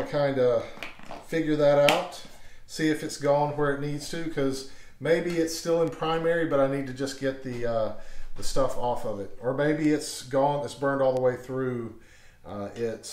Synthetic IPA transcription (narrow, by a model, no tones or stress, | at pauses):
ɨkʰãɪ̃ndɨ | fɪɡjə˞ðɨɾaʊt | siɨfɨtsɡ̥ɔ̃nwə˞ɨtⁿnidz̥tʰɨkʰʌz | meɪbiɨtstɪlˠə̃npʰɹ̥ãɪ̃mɛɹibʌɾaɪnid̚tɨd͡ʒʌsɡ̥ɛt̪̚ðiʌðəstʌfɔfʌvɨt̚ə˞meɪbiɪtsɡɔ̃nɨtsb̥ɜ̃˞ndɔlˠðəweɪθɹʉ | ɪt